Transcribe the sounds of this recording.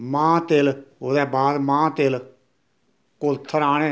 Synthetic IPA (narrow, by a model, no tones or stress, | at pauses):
mãːt̪eloːd̪ɛːbaːd̪mãːt̪el | kolt̪ʰːəɾaːɽ̃ẽː